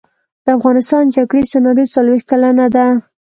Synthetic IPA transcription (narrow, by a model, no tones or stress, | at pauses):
d̪̥əafɣɑnɪst̪ɑnd͡ʒaɡɽesanɑɾit͡salwext̪̚kalanad̪a